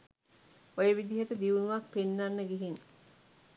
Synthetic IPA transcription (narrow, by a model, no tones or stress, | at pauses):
ojəʋid̪iɦət̪əd̪iʋunuʋak̚penːanːəɡeɦin